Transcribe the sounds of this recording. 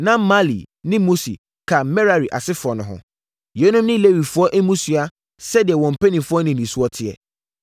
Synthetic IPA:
nã˦ma˦lḭ˨nɪ̃˦mo˦sḭ˨ | kʰa˨mɛ˦ɾa˨ɾi˨ʔa̰˨sɪ˦fʊ˨ɔ˨nʊ̃˨ɦʊ̰̃˨ | jɛ˦nʊ̃˦mnɪ̃˦le˦wi˨fʊ˦ɔ˦ʔɛ˦mũ˦su˦a˦ | sɛ˦dɪ˨ɛ˨wɔ̃˨m̩˨pʰɛ˦nĩ˨mfʊ˦ɔ˦nɪ̃˨nĩ˨su˦ɔ˦tʰɪ˦˨ɛ̰˨

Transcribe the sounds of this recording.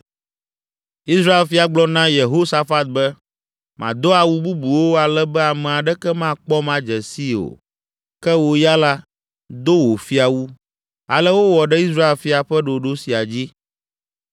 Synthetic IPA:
i˦sɾa˦e˨lfi˦a˨ɡ͡blɔ˦nã˦je˨ɦo˦sa˦fa˦t̪̚bɛ˦ | mã˨d̪o˦a˨wu˦bu˦bu˨wo˦a˨lɛ˦bɛ˦a˨mɛ̃˨a˨ɖɛ˦kɛ˦mã˦k͡pɔ˦mã˦d͡ʒɛ˨si˦o̰˨ | kɛ˦wo˨ja˦la˦ | d̪o˦wo˨fi˦a˨wu˦ | a̰˨lɛ˦wo˦wɔ˨ɖɛ˦i˦s̬ɾa˦e˦˨lfi˦a˨ɸɛ˦ɖo˨ɖo˦si˨a˨d͡ʑi˦

